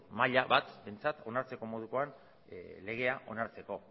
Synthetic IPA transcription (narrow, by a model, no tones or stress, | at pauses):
maʎaβat̪be̞nt͡sat̪o̞naɾt͡se̞ko̞mo̞ð̞uko̞an | le̞ɣ̞e̞aʔo̞̰naɾt͡se̞ko̞